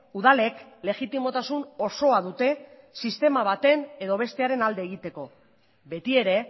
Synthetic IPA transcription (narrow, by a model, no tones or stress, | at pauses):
uð̞ale̞kle̞ɣit̪imo̞t̪asuno̞so̞aðut̪e̞ | sist̪e̞maβ̞at̪e̞ne̞ðo̞β̞e̞st̪eaɾe̞nald̪eːɣ̞it̪e̞ko̞ | βe̞t̪ie̞ɾe̞